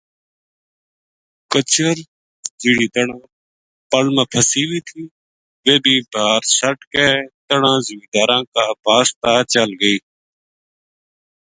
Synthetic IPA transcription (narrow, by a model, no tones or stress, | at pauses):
kət͡ʃəɾ | d͡ʒɪːɽiːt̪əɳãː | pəlmə̃ːpʰəsiːʋiːt̪ʰiː | ʋeːbʱiːbʱaːɾsəʈkɛːt̪əɳãːzɪmiːd̪aːɾãːkaːbʱaːst̪aːt͡ʃəlɡəiː